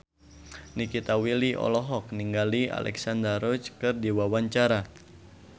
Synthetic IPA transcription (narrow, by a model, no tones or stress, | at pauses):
nikit̪awiliʔɔ̰lɔɦɔk̚niŋɡalia̰lʔɛ̰ksandəɾɔt͡ʃkɨrdiwawaɲt͡ʃaɾa